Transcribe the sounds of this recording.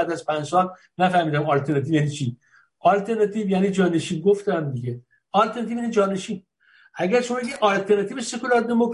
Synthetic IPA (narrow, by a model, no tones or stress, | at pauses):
d̪æzpʰænd͡ʒsɒl | næfæhmiːd̪æmɒlt̪ʰeɾnɑt̪iːjæniːt͡ʃʰi | ʔɒlt̪ʰeɾnɑt̪ʰivjæniːd͡ʒɒːneʃiːnɡoft̪ænd̪iɡe | ɒlt̪ʰeɾnɑt̪ivjæːnid͡ʒɒːneʃiːn | ʔæɡæɾʃomɒːbeɡiːd̪ʔɒlt̪ʰeɾnɑt̪iːbesekulɒɾd̪emokʰ